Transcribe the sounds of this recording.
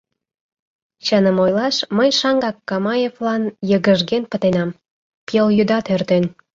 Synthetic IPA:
t͡ɕənəmojlɑʃməjʃɑŋɡɑkːɑmɑjevlɑnjəɣəʒɡenpə̆t̪enɑm | peljyd̪ɑt̪ørt̪en

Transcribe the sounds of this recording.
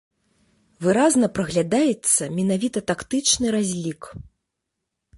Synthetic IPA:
vɨɾaznɐpɾɐɣlʲad̪ajɛt̪sːɐmʲɛnavʲit̪ɐt̪akt̪ɨt͡ʂnɨɾazʲlʲik

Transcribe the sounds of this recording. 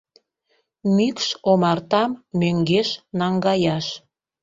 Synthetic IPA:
mikʃomɑrt̪ɑmːøŋɡeʃnɑŋɡɑjɑʃ

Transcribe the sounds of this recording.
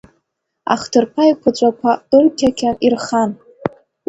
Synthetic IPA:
a̰χtʰɨrpʰaikʷʰat͡ʃʷʼakʷʰatʼɨrtʲʰakʲʰanirχan

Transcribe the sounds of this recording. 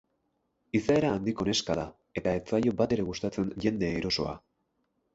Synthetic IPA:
isae̞ɾaːnd̪iko̞ne̞skaða | e̞t̪aet͡sajo̞bat̪e̞ɾe̞ɣust̪at͡se̞nʝe̞nd̪e̞iɾo̞so̞̰a̰

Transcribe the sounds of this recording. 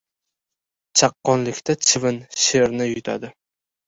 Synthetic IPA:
t͡ʃʰɑqːɒnlɪkʲt̪at͡ʃʰɪvɪnʃeɾnɪjʊt̪ʰa̰d̪ɪ

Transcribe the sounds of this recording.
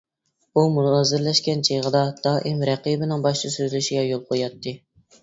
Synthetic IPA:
umunʁɑzɨɾlɛʃkʲɛnt͡ʃʰejʁəd̪ɑd̪̥ɑːʔimɾɛqibɪnɪŋbɑʃt͡ʃʰɨsøzlyʃiɡʲɛjolˠqʰojɑt̪ʰːɨ

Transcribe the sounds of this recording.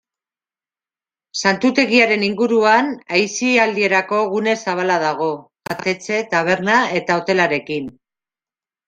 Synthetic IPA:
sant̪ut̪e̞ɣiaɾe̞niŋɡuɾuanajsiald̪ie̞ɾako̞ɣune̞saβ̞alað̞aɣ̞o̞bat̪e̞t͡se̞t̪aβ̞e̞ɾnae̞t̪aot̪e̞laɾe̞kin

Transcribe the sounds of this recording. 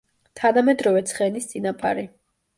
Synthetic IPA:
t̪ʰanamɛd̪ɾɔvɛt̪sʰχɛnist̪sʼinapʼa̰ɾi

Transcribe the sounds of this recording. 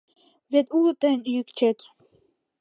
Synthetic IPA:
vet̪ult̪ənjykt͡ʃʰet̪

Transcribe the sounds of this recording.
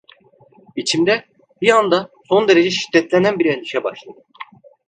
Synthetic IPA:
bit͡ʃʰimd̪ɛ | biand̪aso̞nd̪e̞ɾed͡ʒɛʃi̥d̪ːɛt̪lʲænænbiɾɛnd̪iʃɛba̰ʃlˠad̪ɯ

